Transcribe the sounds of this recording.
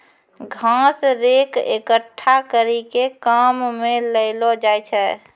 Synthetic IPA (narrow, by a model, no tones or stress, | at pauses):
ɡʱãsɾekḛkəʈʰːakəɾikekamːeləɪlɔd͡ʒajt͡ʃʰɛ